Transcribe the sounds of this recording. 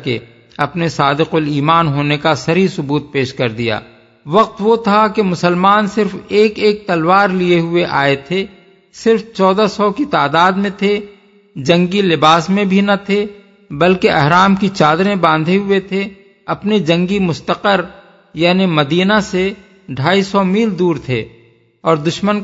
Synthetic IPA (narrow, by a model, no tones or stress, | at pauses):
kḛ | ɐpnesaːd̪ɪqʊliːmaːnɦoːnekasɐɾisʊbuːt̪̚peːʃkɐɾd̪ija̰ː | ʋɐq̚t̪ʋot̪ʰakemʊsəlmaːnsɪɾfeːkeːk̚t̪ɐlʋaːɾlieɦʊeʔaːet̪ʰe | sɪɾft͡ʃɔːd̪asɔkit̪aːd̪aːd̪mẽt̪ʰe | d͡ʒɐ̃ŋɡilɪbaːsmẽbʱinɐt̪ʰe | bɐlkeʔɐɦɾaːmkit͡ʃaːd̪ɾẽbãːnd̪ʱeɦʊet̪ʰe | ɐpned͡ʒɐ̃ŋɡimʊst̪əqəɾ | jaːnemɐd̪iːnase | ɖʱaːisɔmiːld̪uːɾt̪ʰḛ | ɔːɾd̪ʊʃmən